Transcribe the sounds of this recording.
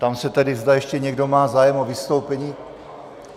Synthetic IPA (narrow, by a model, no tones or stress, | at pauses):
t̪amsɛt̪ɛdɪzd̪ajɛʃcɛɲɛɡdo̞maːzaːjɛmovɪst̪o̞wpɛɲiː